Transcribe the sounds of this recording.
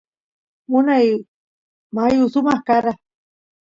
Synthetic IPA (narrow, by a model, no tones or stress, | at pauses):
mʊnaj | majusumahkaɾa